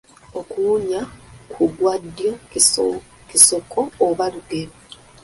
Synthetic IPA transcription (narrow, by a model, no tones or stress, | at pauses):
okuːɲakʰuɡwadːjo | kiso̞kʰoːβaluɡeɾo